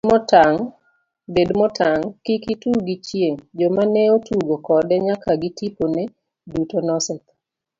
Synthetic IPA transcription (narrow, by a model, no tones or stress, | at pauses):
mɔtaŋ | bedmɔtʰaŋkikituɡit͡ʃjeŋd͡ʒɔmanɛotuɡokɔdɛɲakaɡɪtiponɛ | dutonɔsɛt̪̚